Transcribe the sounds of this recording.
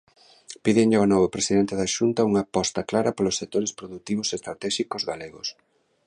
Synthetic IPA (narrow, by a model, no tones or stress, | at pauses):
piðeɲʎonɔβopɾesiðɛnt̪eðaʃunt̪ɐuŋapɔst̪ɐklaɾɐpolosːek̚t̪oɾespɾoðut̪iβ̞osest̪ɾat̪ɛʃikozɣaleɣos